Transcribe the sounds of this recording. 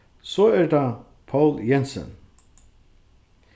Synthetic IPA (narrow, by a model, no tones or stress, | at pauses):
sɔɛɹd̪a | pʰawljɛnsɔ̰n